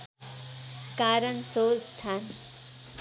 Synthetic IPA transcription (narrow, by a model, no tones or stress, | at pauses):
kaːɾənsost̪ʰan